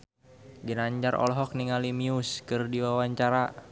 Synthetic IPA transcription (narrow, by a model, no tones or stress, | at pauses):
ɡinaɲd͡ʒaɾɔ̰lɦɔk̚niŋalimiuskɨrdiwawaɲt͡ʃaɾa